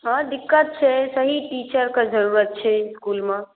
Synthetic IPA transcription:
ɦãd̪ɪkːət̪̚t͡ʃʰɛsəɦiʈit͡ʃəɾked͡ʒəɾuɾət̪̚t͡ʃʰɛskulme

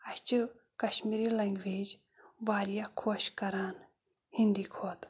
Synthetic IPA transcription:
ɐɕt͡ʃɨ | kɐʃmiɾilɐŋɡʋeːd͡ʒ | ʋaːɾijakʰoʃkɐɾaːn | hind̪ikʰot̪

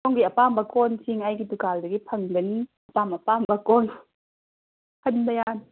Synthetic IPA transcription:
ɔŋɡiʔapambakɔnsiŋajkit̪ukaldakipʰɐŋɡən | apamapambakɔn | hʰənbajan

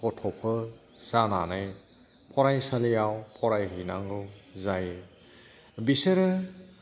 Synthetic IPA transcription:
ɔtʰɔpʰɯ | sananaj | pʰɔɾajsalijawpʰɔɾajɦɯjna̰ŋɡɯwzaje | bisɯɾɯ

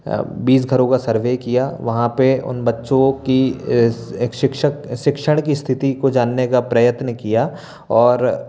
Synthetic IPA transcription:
biːs̬ɡʱɐɾõkasɐɾʋeːkijaʋɐɦãpeʊ̰nbɐtːʃõki | kʃɪkʃəkʃɪkʃəɽ̃kist̪ʰɪt̪ikod͡ʒaːnːekapɾɐjət̪nəkijaː | ɔːɾ

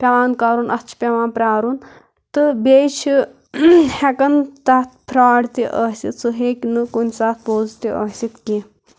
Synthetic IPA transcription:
pʲɐʋaːnkaɾunɐtt͡ʃʰi̥pʲeʋaːnpɾʲaːɾun | t̪ɨbʲejt͡ʃʰi | hekɐnt̪ɐt̪̚ʰpʰɾaːɽt̪iʔəsit̪sɨɦeːkʲnɨkunʲsaːt̪̚ʰpoːzt̪iʔɐsit̪ki

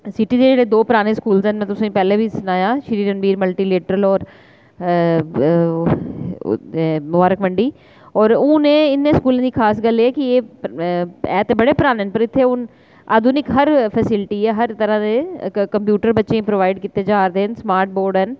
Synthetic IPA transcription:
sɪʈiːd̪eːd͡ʒeːɽeːd̪oːpɾaːneːskuːlsɦɛnmɛ̃ːt̪ʊsːĩpɛːleːbʱiːsənaːjãːʃəɾiːɾənbiːɾməlʈiːleːʈəɾəlɔːɾ | mʊbaːɾəkməɳɖiː | ɔːɾʊ̃ːnẽːɪnːẽːskuːlẽːd̪iːkʰaːs̬ɡəlːeːɛːkɪeː | ɛ̰ːt̪eːbəɽeːpəɾaːneɦənpəɾɪt̪ʰːeːʊn | a̰ːd̪uːnɪkɦəɾpʰəsɪlʈiːɛːɦəɾt̪əɾãːd̪eːkəmpjuːʈəɾbətːʃẽːĩpɾoːʋaːɪɖkiːt̪eːd͡ʒaːɾd̪eːɦənsmaːɾʈ̚boːɾɖɦən

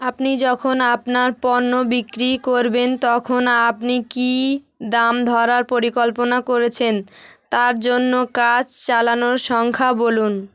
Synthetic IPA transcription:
apnid͡ʑɔkʰonapnaɾpɔnːobikɾikoɾbent̪ɔkʰonapniki | d̪amd̪ʱɔɾaɾpoɾikɔlponakoɾet͡ɕʰent̪aɾd͡ʑonːokad͡ʑt͡ɕalanoɾʃɔŋkʰabolun

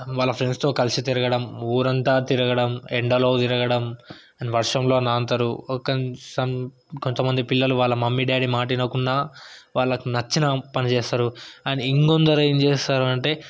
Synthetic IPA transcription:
ʋaːɭːɐpʰɾenst̪o̞ːkɐlsit̪iɾɐɡɐɽɐmuːɾɐnt̪aːt̪iɾɐɡɐɽɐmeɳɖɐloːt̪iɾɐɡɐɽɐm | ɐniʋɐɾʂɐmlo̞ːnaːnt̪ɐɾuɔkːɐnsɐm | kont̪ɐmɐnd̪ipilːɐluʋaːɭːɐmɐmːiɖaːɽimaːʈ̬inɐkuɳːaːʋaːɭːɐkunɐt͡ʃːinɐpɐnit͡ʃeːst̪aːɾuaniiŋkond̪ɐɾjnt͡ʃeːst̪aːɾɐɳʈe̞ː

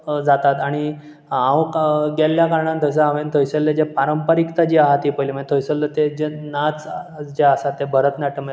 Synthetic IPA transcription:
d͡zat̪at̪aɽ̃i | ãʋkɡɛlːjakaɾɳãnd̪əs̬əãʋent̪ʰojsəlːed͡ʑepaɾəmpəɾikt̪ad͡ʑiaɦat̪iːpəjlimət̪ʰojsəlːət̪ed͡ʑenat͡sd͡ʑeasat̪ːebʱəɾət̪naʈʰəm

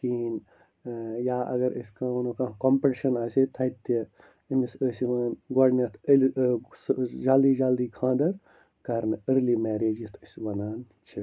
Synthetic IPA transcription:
kiːn | jaːʔɐ̰ɡɐɾəskãːunokãːkompiʈiʃɐnaːsit̪ʰɐt̪ːi | inisəsiʋɐːnɡoɖnɐt̪ʰəlsd͡ʒaːld̪iːd͡ʒaːld̪iːkʰãːd̪ɐɾ | kɐɾnəɾlimeːɾeːd͡ʒit̪ʰəsʋɐnaːn | t͡ʃʰi

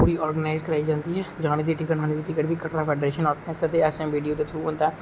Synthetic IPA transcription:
puːɾiɔːɾɡənaːɪzkəɾaːid͡ʒãːnd̪iɦɛd͡ʒãːned̪iʈikəʈɦaːned̪iʈɪkəʈbʱikəʈɾapʰɛːɖɾeːʃənɔːɾɡənaːɪzkəɾd̪eɛːsɛʋiːɖijot̪et̪ʰɾuuɦõːnd̪aɦɛː

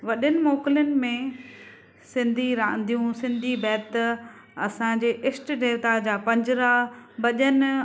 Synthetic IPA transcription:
ʋɐɗɪnɪ̆moːkɪljənɪ̆mẽ | sɪ̃nd̪ʱiɾãːə̃n̆d̪ʱijũsɪ̃nd̪ʱibɛːt̪ | ɐsãd͡ʑeːʔɪsʈɖeːɾt̪ad͡ʑaːpɐ̃ɲd͡ʑɪɾabɐʄən

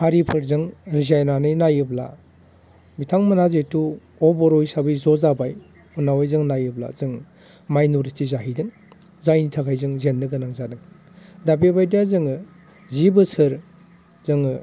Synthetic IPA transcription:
haɾipʰɯɾzɯŋɾizajnanɯjnajɯbla̰ | mitʰaŋmɯnazetu | ɔbɔɾɔjsabɯjzɔzabaj | ɔnawajzɯŋnajɯbla̰zɯŋ | majnuɾitizaɦidɯŋ | zajnitʰakʰajzɯŋzenːɯɡɯnaŋzadɯŋ | dabebajdijazɯŋɯ | zibɯsɯɾ | z̥ɯŋɯ

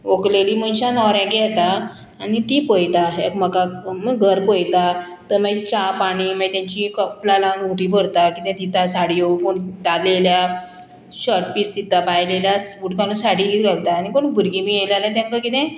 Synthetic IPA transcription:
okleliːmənɕãnɔɾãkɛt̪aː | nit̪ipəjt̪aekməkaməɡʱəɾpəjt̪a | t̪əɾmət͡ɕapaɽ̃iməit̪ãɲt͡ɕikəplalãnuʈipəɽt̪akit̪ɛ̃t̪it̪asaɽiokoɳt̪alelja | ɕəʈpisd̪it̪apajleljasfuʈkalũsaɽikit̪ɡəɾt̪aːñikoɳbʱuɾɡimielaljãt̪ãŋkakit̪ɛ̃

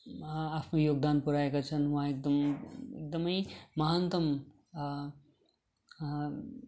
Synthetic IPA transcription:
apnojoːɡ̚d̪aːnpuɾaːekɐt͡ʃʰɐnʋɐɦãek̚d̪ɐmɪ̰k̚d̪ɐmɐimɐɦant̪ɐm

